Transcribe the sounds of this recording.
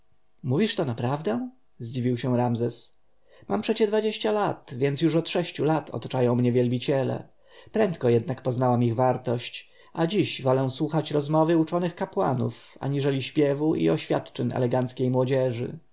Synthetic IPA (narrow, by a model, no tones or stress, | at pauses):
muvʲiʂt̪ɔnapɾavd̪ɛ̃w̃ | zd͡ʑivʲiwɕɛ̃w̃ɾamzɛs | mʔampʂɛt͡ɕɛd̪vad͡ʑeɕt͡ɕalat̪vʲjɛntsjuʂɔt̪ʂɛɕt͡ɕulat̪ʰɔ̰t̪ḁt͡ʂajɔ̃w̃mɲɛvʲjɛlbʲit͡ɕɛlɛ̰ | pɾɛnt̪kɔjɛd̪̚nakpɔznawamiɣvaɾt̪ɔɕt͡ɕ | ʔad͡ʑiɕvɔlɛw̃swuxat͡ɕɾɔzmɔvɘut͡ʂɔnɘxkapwa̰nṵf | a̰ɲiʐɛlʲiɕpʲjɛvuʔḭɔɕfʲja̰t̪t͡ʂɛɲɛ̰lɛɡant̪skʲejmwɔd͡ʑɛʐɘ̰